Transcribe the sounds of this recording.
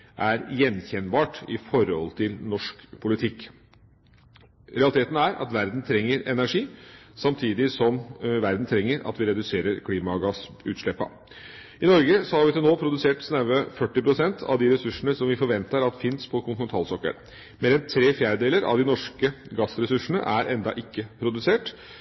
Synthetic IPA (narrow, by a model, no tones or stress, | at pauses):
ʔæɾjɛnçɛnbɑːʈɪfɔɾɔ̰lt̪ʰɪlnɔʂkpʰʊlɪt̪ʰɪkː | ɾɛɑlɪt̪ʰeːt̪n̩æɾʔɑ̰t̪ʋæɾd̪n̩t̪ʰɾɛŋːəɾɛnæʂiːsɑmt̪ʰiːd̪ɪsɔmʋæɾd̪n̩t̪ʰɾɛŋːəɾɑ̰t̪ʋɪɾɛd̪ʉseːɾəɾkʰliːmɑɡɑs | ʉ̰ːt̪ʂlɛpːɑ̰ | ɪnɔɾɡəsɔhɑɾʋɪt̪ʰɪlnoːpʰɾʊd̪ʉseːʈsnæʋəfœʈːɪpʰɾʊsɛnt̪ʰɑ̰ʋd̪ɪɾɛsʉʂəɳəsɔmʋɪfɔɾʋɛnt̪əɾɑt̪fɪnspʰɔkʰʊnt̪nɛnʰɑːlsɔkːə̰ɭ | meːɾɛnt̪ʰɾeːfjæːɾəd̪eːləɾɑ̰ʋd̪ɪnɔʂkəɡɑsɾɛsʉʂːəɳə̰ʔæɾʔɛnd̪ɑʔɪkːəpʰɾʊd̪ʉseːʈ